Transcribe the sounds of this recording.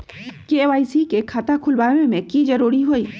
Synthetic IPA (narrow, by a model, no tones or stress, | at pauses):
keeʋaːisikekʰat̪akʰʊlbaːwẽmẽkid͡ʒɐɾuːɾiɦoːiː